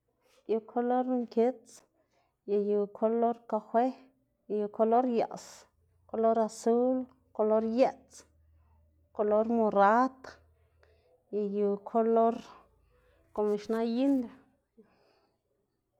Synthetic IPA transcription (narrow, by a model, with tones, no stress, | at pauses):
ju˧kʰo˧lo˦ɾŋke˦t͡s | ja˨ju˨kʰo˧lo˦ɾka˧xwe˦ | ja˧ju˧kʰo˧lo˦ɾja̰˨s | ko˧lo˦ɾa˧su˦l | ko˧lo˦ɾje˦t͡s | ko˧lo˦ɾmo˧ɾa˦t̪ | ja˨ju˧kʰo˧lo˦ɾ | ko˧˨mi˧ʃna˦ji˦nd̪